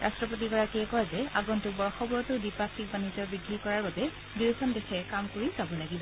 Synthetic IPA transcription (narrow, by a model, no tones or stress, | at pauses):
ɹʔastɹɔp̬ot̬ikɔɹakɛkɔjzɛaɡɔntubɔɹxɔbɔɹɔtʊdipasik̚banizɔɹbiɡʱːikɔɹaɹbabɛ | disɔndexɛkamkoɹizabɔlaɡibɔ